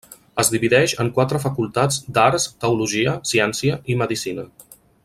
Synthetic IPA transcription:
əzd̪iβiðɛʃəŋkwat̪ɾəfəkulˠt̪ad͡zd̪aɾst̪əuluʒiəsiɛnsiəiməðisinə

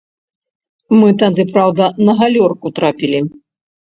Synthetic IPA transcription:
mɨt̪ad̪ɨpɾawd̪ɐnɐɣalʲɔrkut̪ɾapʲilʲi

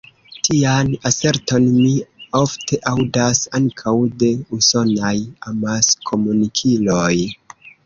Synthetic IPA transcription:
tʰianase̞ɾto̞nmio̞ftʰe̞ʔawdasaŋkʰawde̞uso̞najamaskʰo̞munikʰilo̞j

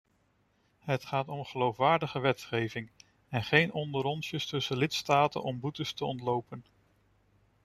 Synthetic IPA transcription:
ɦətχaːtɔmχəlowfʋaːɹdəχəʋɛtχejvɪŋ | ɛnχejnɔndəɾɔnsjəstɵsəlɪtstaːtə̰nɔmbutəstəɔntlowpən

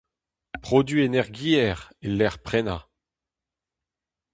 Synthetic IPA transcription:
pχod̪ɥienɛʁɡiɛʁelɛʁpχɛna

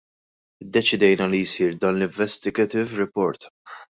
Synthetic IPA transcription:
d̪ːɛt͡ʃɪd̪ɛjnɐlijsiːɾd̪ɐnlɪɱvɛst̪ɪɡɛt̪ɪvɾɪpɔɾt̪

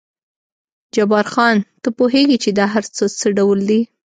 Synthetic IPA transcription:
d͡ʒabɑɾxɑnt̪əpoɦeɡit͡ʃed̪ɑɦaɾt͡sət͡səɖawəld̪i

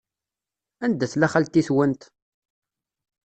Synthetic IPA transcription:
ænd̪æθlæχælt̪ːiθwənt̪

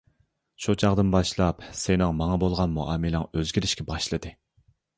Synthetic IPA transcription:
ʃut͡ʃʰɑʁd̪ɨnbɑʃlˠɑpsenɪŋmɑŋɑbolˠʁɑnmuʔɑːmɨlɪŋøzɡʲiɾɪʃkʲɛbɑʃlˠɨd̪ɨ

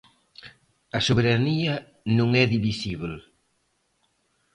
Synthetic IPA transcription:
ɐsoβeɾaniɐ | nũŋɛðiβisiβl

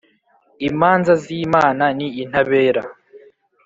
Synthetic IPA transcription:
imaːnzaziːmaːnaniːn̥aβeːɾa

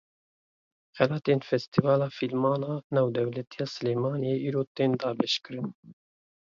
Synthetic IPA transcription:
xɛlɑːt̪eːnfɛst̪ivɑːlɑːfilmɑːnɑːnɑːwd̪ɛwlɛt̪ijɑːsɨleːmɑːnijeʔiːɾoːt̪eːnd̪ɑːbɛʃkɨɾɨn

